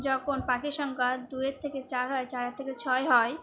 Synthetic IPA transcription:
d͡ʒɔkonpakiʃəŋkəd̪uet̪ʰeket͡ʃaɾɦɔjt͡ʃaɾet̪ʰeket͡ʃʰɔeɦɔj

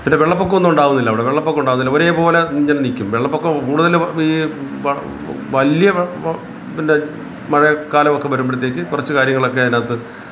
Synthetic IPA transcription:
pinːe̞ʋeɭːɐpːok̬ːeonːumuɳɖaːʋunːilːɐʋiɽeʋeɭːɐpːokːuɳɖaːʋunːilːɐoːɾeːpo̞ːlɐɲːɐnnikʲːumʋeɭːɐpːokːekuːɽuðɐliːʋɐ | ʋɐljɐ | pinːe | mɐɻɐkːaːlɐmo̞kːe̞bɐɾumbeɽit̪ːe̞ːk̬ʲːɨkurɐt͡ɕːɨkaːɾjɐŋːɐɭo̞kːeɐnaːt̪ːɨ

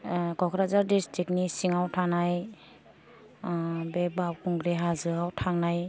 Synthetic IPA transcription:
kɔkʰɾazaɾdistɾiknisiŋawtʰanaj | bebawkʰɔŋɡɾeɦazɯawtʰaŋnaj

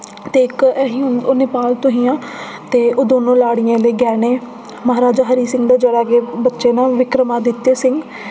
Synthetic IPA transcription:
t̪eːɪkːɦiːonɪpaːlt̪ʊɦĩːãː | t̪eːoːd̪oːnõːlaːɽɪjãːləːɡɛːɽeː | məɦaːɾaːd͡ʒaːɦəɾiːsɪ̃ŋɡd̪aːd͡ʒeɽaːɡeːbətːʃeːnãːʋɪkɾəmaːd̪ɪt̪ːeːsɪŋɡ

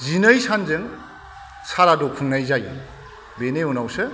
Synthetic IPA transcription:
zinəjsʰanzɯŋ | sʰaɾadɔkʰuŋnajzajɯ̰n | beneɔnawsɯ

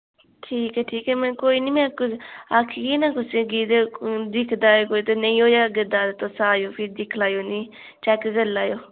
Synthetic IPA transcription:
ʈʰiːkɛːʈʰiːkɛːmɛ̃ːkoːiːniːmɛ̃kʊakʰɡiːnãːkʊseɡiːd̪ed̪ɪkʰd̪aːekoːit̪onẽĩːoːjaːɡəd̪aːd̪t̪osaːjoːpʰɪd̪ɪkʰlaːjoːniː | t͡ʃɛːkɡəlaːjoː

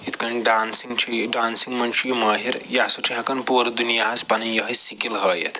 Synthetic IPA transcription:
it̪ʰkɐnɖaːnsiŋt͡ʃʰiɖaːnsiŋɡmɐnt͡ʃijmɐːɦiɾjasuʈʰiɦɐkɐnpoɾɐd̪unijaɦɐzpɐnijɐɦɐsikilɦɐjḛt̪ʰ

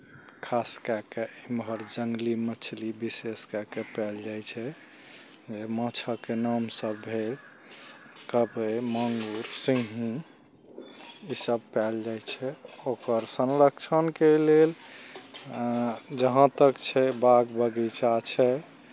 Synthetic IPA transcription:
kʰaskakeimbʱəɾd͡ʒəŋɡlimət͡ʃʰlibiseskakepɛld͡ʒajt͡ʃʰɛ | d͡ʒemət͡ʃʰəkenamsəbːʱel | kəbeməŋɡuɾsĩɦĩ | isəb̚pɛld͡ʒajt͡ʃʰɛokəɾsənɾəkt͡ʃʰənkelel | d͡ʒəɦãt̪əkt͡ʃʰɛbaɡbəɡit͡ʃat͡ʃʰɛ

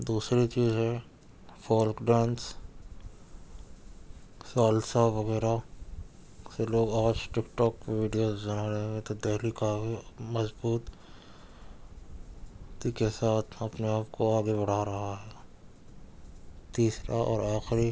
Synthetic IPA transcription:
d̪uːsɾit͡ʃiːzɦɛ | fɔːlkɖɛ̃ːns | saːlsaʋɐɣɛːɾa | seloːɡaːt͡ʃʈɪkʈɔːkpeʋiɖijoːzd͡ʒɐnaɾẽːɡet̪od̪eɦlikaːfimɐzbuːt̪ | t̪ikesaːt̪ʰɐpneaːp̚koaːɡebɐɽ̤aɾɐɦaɦɛː | t̪iːsɾaʔɔ̰ːɾaːxɾi

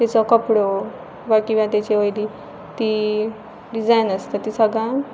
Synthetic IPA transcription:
t̪at͡sɔkəpɽo | ʋakĩʋãt̪jat͡ɕeəjd̪i | t̪iː | ɖid͡zajnəst̪at̪isəɡã

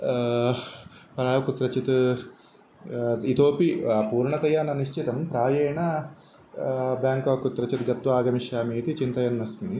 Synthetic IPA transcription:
pɾaːʋɐkut̪ɾɐt͡ʃit̪ | it̪oːpipuːɾɳɐt̪ɐjaːnɐniʃt͡ʃit̪ɐmpɾaːjeːɳɐ | bjaːŋkɐʋkut̪ɾɐt͡ʃit̪ɡɐt̪ʋaːɡɐmiʃjaːmiːt̪it͡ʃint̪ɐjɐnːɐsmi

